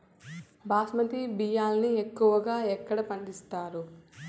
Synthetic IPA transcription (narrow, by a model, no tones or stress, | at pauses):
baːsmɐt̪ibijaːlɐniekːuʋɐɡaːɛkːɐɽɐpɐɳɖist̪aːɾu